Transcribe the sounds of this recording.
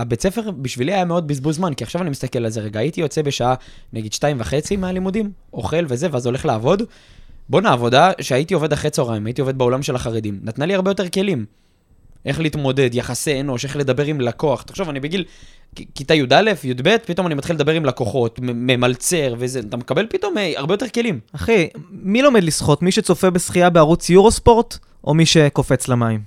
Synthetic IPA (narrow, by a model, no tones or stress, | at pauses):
abe̞t͡se̞fe̞ʁbiʃviliajameo̞d̪̚bizbulzmankiaχʃavanimist̪ake̞lalzeʁeɡaːit̪ijo̞t͡se̞be̞ʃaaneɡed̪ʃtaimvaχe̞t͡simealimud̪im | o̞̰χe̞lve̞ze̞veazo̞le̞χlaːvo̞d̪ | bo̞naːvo̞d̪aʃeaitio̞ve̞d̪aχʁet͡soʁaimait̪io̞ved̚beolamʃe̞laχaʁed̪imnat̪naliaʁbejo̞t̪̬e̞ke̞lim | ʔe̞χleiːt̪mo̞d̪e̞d̪jaχaseeno̞ʃe̞χle̞d̪abe̞ʁimlako̞aχt̪ḁχʃovanibeɡilkit̪ajud̪ale̞fjud̪be̞t̪̚pit̪o̞manimat̪χiled̪abe̞ʁimlako̞χo̞t̪mememalt͡se̞ʁvezeat̪amekabe̞lpit̪o̞maʁbejo̞t̪e̞ʁke̞limaχemilo̞med̪lisχo̞t̪miʃet͡so̞fe̞be̞sχiabeaʁut͡sjuʁospo̞ʁt | ʔo̞̰miʃe̞ko̞fe̞t͡slamaim